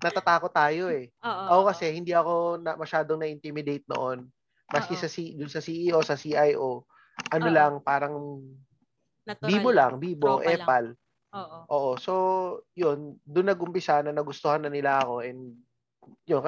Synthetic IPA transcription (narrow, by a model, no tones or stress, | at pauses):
nɐt̪ɐt̪aːkot̪ːaːjo̞ɛʔɐʔokɐsɛhɪnd̪iɐko̞nɐmɐʃaːd̪oŋnɐʔɪnt̪imɪd̪ejt̪̚no̰ʔo̞n | mɐskɪsɐsid̪ʊnsɐsiːʔiʔosɐsiʔajʔo | ʔɐnolaŋpaːɾɐŋ | biːbolaŋbiːbo̞ʔɛːpɐl | ʔoːʔo̞so̞jo̞nd̪ʊnːɐɡʔʊmpɪsanɐnɐɡʊst̪ohanːɐnɪlaʔɐko̞ʔɛnd̪ | jonk